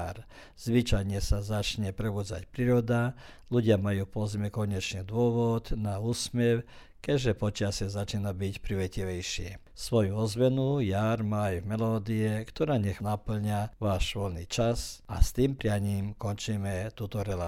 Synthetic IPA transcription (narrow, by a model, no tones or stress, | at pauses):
ɾ | z̥ʋit͡ʃajɲɛsazat͡ʃɲɛpɾɛbuːd͡za̰cpɾiːɾɔd̪a | luɟɪamajuːpɔzmɛkɔɲɛt͡ʃɲɛd̪ʊɔʋɔd̪nauːsmɛw | kɛʒɛpɔt͡ʃɪasɪɛzat͡ʃiːnabicpɾiʋɛciʋɛjʃɪɛ̰ | sʋɔjuɔzʋɛnujaːɾmaːajvmɛlɔːd̪iɛkt̪ɔɾaːɲɛxnapl̩ɲaʋaːʃʋɔlnit͡ʃasa̰st̪iːmpɾɪaɲiːmkɔnt͡ʃiːmɛt̪uːt̪ɔɾɛla